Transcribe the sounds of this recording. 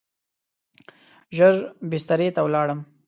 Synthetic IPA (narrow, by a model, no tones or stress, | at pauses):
ʒəɾbɪst̪aɾet̪awlɑɽəm